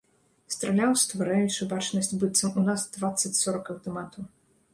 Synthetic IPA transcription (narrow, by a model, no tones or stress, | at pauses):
st̪ɾɐlʲawst̪vaɾajut͡ʂɨbat͡ʂnɐsʲt͡sʲbɨt̪sɐmunasd̪vat̪sːɐt͡sʲsɔɾɐkɐwt̪ɔmat̪ɐ